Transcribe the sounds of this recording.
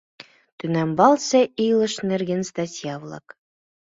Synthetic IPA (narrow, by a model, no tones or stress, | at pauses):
t̪ɵ̆næmbɑlˠsʲɘʔijlˠɤ̆ʃnɘ̆rɡʲɘnst̪asʲjɑvlˠɑ̰k